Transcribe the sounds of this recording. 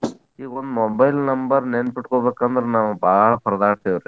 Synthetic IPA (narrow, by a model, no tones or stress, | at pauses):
iːond̪mobɐjlnɐmbɐɾnenpiʈkoːbekːɐnd̪ɐɾnambaːɽpʰɐɾɐd̪aːɾt̪ʰejoɾe